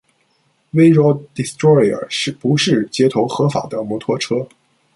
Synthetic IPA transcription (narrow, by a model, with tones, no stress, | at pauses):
we˥ɪɻɔ˥ʊd̪i˧˥st̪ɹɔ˥ɪə̰˞˨˩ʂɻ̩˥˩pu˧˥ʂɻ̩˥˩t͡ɕjɛ˥t̪ʰo˧˥ʊxɤ˧˥fa̰˨˩d̪ə˦mɔ˧˥t̪ʰwɔ˥ʈ͡ʂʰɤ˥